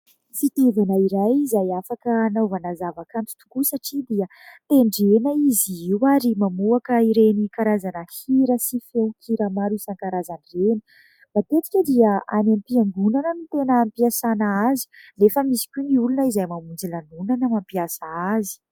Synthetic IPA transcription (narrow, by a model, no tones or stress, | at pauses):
fit̪ivanəiɾajizajafakənavanazavakant̪u̥t̪u̥kusaʈ͡ʂid̪iə | t̪eɳɖ͡ʐenaiziiwaɾimamuakəiɾenikaɾazanəhiɾəsifewkʰiɾamaɾusaŋkaɾazanireni̥ | b̥at̪et͡s̪i̥kʲəd̪iəanamipiaŋɡunanənut̪enəːmpiasanaazi̥nefəmisi̥kʲuniulunəizajmamund͡zilanunanəmampiasaazi̥